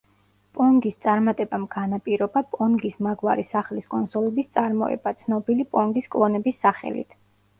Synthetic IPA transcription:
pʼɔŋɡist̪sʼaɾmat̪ʼɛbamɡanapʼiɾɔbapʼɔnɡismaɡwaɾisaχliskʼɔnsɔlɛbist̪sʼaɾmɔ̰ɛ̰bat̪sʰnɔbilipʼɔŋɡiskʼlˠɔnɛbisːaχɛ̰lḭt̪ʰ

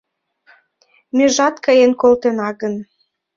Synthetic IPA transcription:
møʒɑt̪kəjenkolt̪enɑɣən

